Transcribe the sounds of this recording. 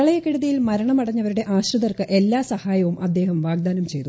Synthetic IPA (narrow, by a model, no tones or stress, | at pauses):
ɐɭɐjɐkːiɽɐðɐjilmɐɾɐɳɐmɐɽɐɲːɐʋɐɾuɽe̞ʔaːɕrɐðɐrkɨʔe̞lːaːsɐhaːjɐʋumʔɐd̪ːeːhɐmʋaːɡ̚d̪aːnɐmt͡ɕe̞jt̪u